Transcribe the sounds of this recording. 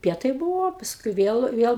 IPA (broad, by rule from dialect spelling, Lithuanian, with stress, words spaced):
ˈpʲiɛtɐɪ ˈbuːʋoː ˈpɑːskʊɪ ˈʋʲiɛlˠ ˈʋʲiɛlˠ